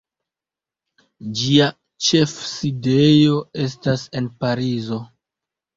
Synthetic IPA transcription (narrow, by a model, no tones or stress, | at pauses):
d͡ʒia | t͡ʃe̞fside̞jo̞e̞s̬tase̞npaɾizo̞